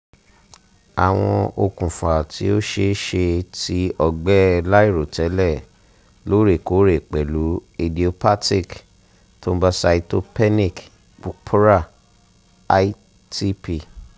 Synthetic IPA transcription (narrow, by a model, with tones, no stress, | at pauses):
a˨w̃ɔ̃˧o˧kũ˨fa˨ti˨˦o˦ʃe˧˦ʃe˧ti˨˦ɔ˧ɡ͡bɛ˦la˦i˦˨ɾo˨tɛ˨˦lɛ˦˨ | lo˦ɾe˦˨ko˨˦ɾe˦˨k͡pɛ˨lu˨˦e˧di˨o˧pa˦ti˦˨k | tõ˦ba˧sa˧i˧to˦pɛ˦nĩ˦˨k | k͡pu˧pʰu˦ɾa˦˨˦ | i˦ | ti˦pi˦˨